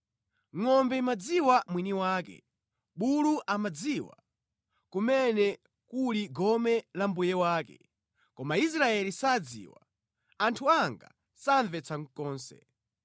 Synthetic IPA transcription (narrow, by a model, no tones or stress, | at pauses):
ŋɔmbɛimad͡ziwamwiniwaːkɛ̰ | ɓuluʔamad͡ziwa̰ | kumɛnɛ | kuliɡɔmɛlambujɛwaːkɛ̰ | kɔmais̬ɾaɛlisad͡zḭːwa | antʰuaŋɡa̰ | saɱvɛt͡sʰaŋkɔːnsɛ̰